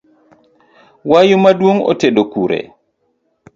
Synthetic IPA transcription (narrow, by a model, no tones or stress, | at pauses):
wajumaduwuŋɔ̰tɛɗɔkuɾɛ̰